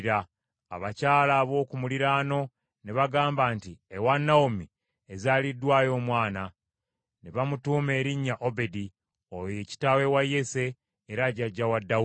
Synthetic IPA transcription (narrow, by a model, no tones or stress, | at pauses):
ɾaː | βacaːlaːβo̞ːkumuliɾaːno̞ | neβaɡaːmbaːntiewanːaomi | ezaːlidːwaːjo̞ːmwaːna | neβamutuːme̞ːɾiɲːaʔobe̞di | oje̞ːci̥tawe̞wajːe̞se̞ː | ɾaɟaɟːawadːa